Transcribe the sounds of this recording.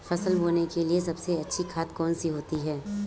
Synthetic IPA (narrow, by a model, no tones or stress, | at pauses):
fɐsəlɦoːnekeliesɐbseɐtːʃʰikʰaːt̪kɔːnsiɦoːt̪iɦɛː